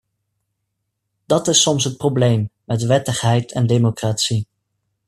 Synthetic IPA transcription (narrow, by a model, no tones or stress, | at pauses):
d̥ɑtɪsɔmsɦət̚prowblejmmɛtʋɛtəχɦɛjtʰɛndemokraːtsi